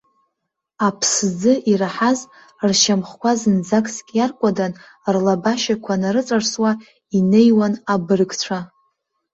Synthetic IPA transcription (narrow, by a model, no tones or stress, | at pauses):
apʰszɨʔiraħaz | rʃamχkʷʰazɨnd͡zakʼskʲʼjarkʷʼadan | rlabaʃakʷʰanaɾɨt͡sʷʼarswa | ine̞jwanabɨrɡʼt͡ʃʷʰa